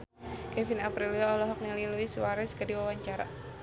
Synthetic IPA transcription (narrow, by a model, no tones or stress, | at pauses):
kɛfinapɾiliaɔlɔɦɔk̚nililuiswaɾɛskədiwawaɲt͡ʃaɾa̰